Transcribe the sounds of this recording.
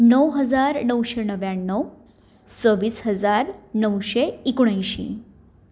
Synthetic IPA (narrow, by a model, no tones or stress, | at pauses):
nəwɦəd͡zaɾnəwɕenəʋjaɳːəw | səʋiːsɦəd͡zaɾnəwɕeikuɽ̃ajɕḭ